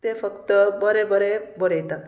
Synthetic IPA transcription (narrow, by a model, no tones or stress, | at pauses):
t̪epʰʌkt̪əbʌɾebʌɾebɔɾejt̪a